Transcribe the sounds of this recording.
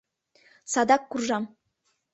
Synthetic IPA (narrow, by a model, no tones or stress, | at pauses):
sɑd̪ɑkːurʒɑm